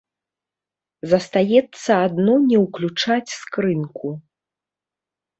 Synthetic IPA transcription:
zɐst̪ajɛt̪sːɐad̪nɔnʲɛwklʲut͡ʂat͡sʲskɾɨnku

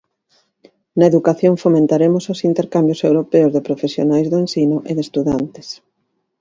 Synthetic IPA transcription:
nɐeðukaθjoŋfomẽnt̪aɾemʊsʊsint̪eɾkambjʊsewɾopeʊzðɪpɾofesjo̰najzðoẽnsinʊʔeðest̪uðant̪ɪ̥s

